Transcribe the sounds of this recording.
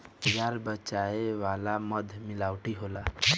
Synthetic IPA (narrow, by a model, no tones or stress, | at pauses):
jaɾbət͡ʃaeʋalaməd̪ʱmilawʈʰiɦola